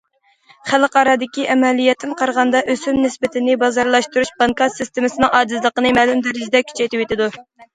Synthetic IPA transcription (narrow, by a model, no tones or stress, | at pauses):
χælˠqɑɾɑd̪ɪkʲiʔɛmɛlijɛt̪ʰːɪnqʰɑɾʁɑnd̪ɑʔøsymnɪsbɪt̪ʰɪnɪbɑzɑɾlˠɑʃt̪uɾuʃbɑŋkɑt̪sɪst̪emɪsɨnɨŋʔɑːd̪ɨzlˠəqənɨmæːlumd̪ɪɾɪd͡ʒd̪ɛkʲʰy̥t͡ʃʰɛjt̪ɪwet̪ʰɪd̪u